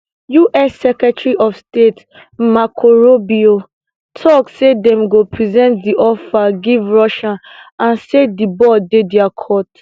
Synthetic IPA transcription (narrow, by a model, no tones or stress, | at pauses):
juʔɛsːɛkɹɛtɹiʔɔfstet | makʰoɹobio | tʰɔksedɛ̃mɡopʰɹizɛ̃nt̚diʔɔfaɡivɹɔʃããnsedibɔdedɛakʰɔt